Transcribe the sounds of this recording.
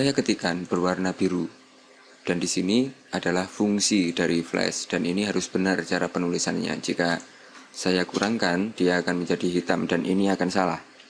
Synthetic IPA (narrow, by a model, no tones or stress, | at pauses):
sajakət̪ikanb̥ərwarnabiɾu | d̥andisiniadalahfuŋsidaɾiflɛ̰sd̥aniniɦaɾʊsb̥ənart͡ʃaɾapənulisanɲa̰d͡ʒika | sajakuɾaŋkand̥iaːkanməɲd͡ʒadiɦit̪amdanʔiniakansala̰h